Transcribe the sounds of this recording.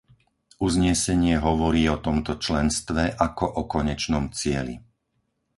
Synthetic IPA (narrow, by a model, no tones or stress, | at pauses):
uzɲɪɛsɛɲɪɛɦɔʋɔɾiːɔt̪ɔmt̪ɔt͡ʃlɛnst̪ʋɛʔakɔʔɔkɔɲɛt͡ʃnɔmt͡sɪɛlḭ